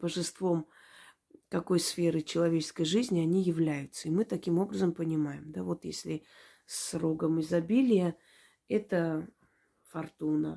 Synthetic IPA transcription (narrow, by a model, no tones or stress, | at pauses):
b̥əʐɨst̪vo̞m | kɐko̞jsfʲeɾɨt͡ɕɪlˠɐvʲet͡ɕɪ̥skəjʐɨzʲnʲɪɐnʲijɪvlʲæjʊt̪səimɨt̪ɐkʲimo̞bɾəzəmpənʲɪmajɪmd̪avo̞t̪jḛsʲlʲɪ | sro̞ɡəmɪzɐbʲilʲɪjə | ɛt̪ə | fɐrt̪unə